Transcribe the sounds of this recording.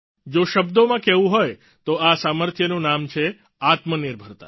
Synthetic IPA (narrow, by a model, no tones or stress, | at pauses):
d͡ʒoʃəbd̪omãkɛʋũɦoj | t̪oasaməɾt̪ʰjənũnamt͡ʃʰe | at̪məniɾbʱəɾt̪a̰